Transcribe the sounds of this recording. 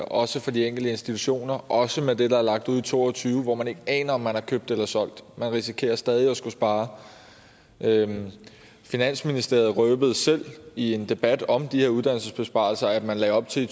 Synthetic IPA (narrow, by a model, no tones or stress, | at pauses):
ʔɒ̽səfɒ̽d̥ieŋ̰ɡ̥l̩d̥əe̝nsd̥it͡sʰuɕo̝̰ːnɐʔɒ̽səmed̥e̝d̥ɑ̈æɐlɑ̈ɡ̥̚d̥uð̰ˠit͡sʰo̝̰ːɒt͡sʰyːʊəʋɒmæne̝ɡ̥əɛ̰ːnɐɒ̽mːænhɑ̈kʰøːb̥̚d̥elɐsɒ̽l̰d̥mænʁisikʰe̝̰ːɐsd̥ɛːð̞ˠiɒ̽sɡ̥usb̥ɑ̈ː | ʔø | finæn̰sminisd̥e̝ɐð̞̩ˠʁœːb̥əð̞̩ˠsel̰ie̝nd̥e̝b̥æd̥ɒ̽md̥iheɐuðˠd̥ænl̩səsb̥e̝sb̥ɑ̰̈lsɐæd̥mænlɛ̰ːɒ̽b̥̚t͡sʰe̝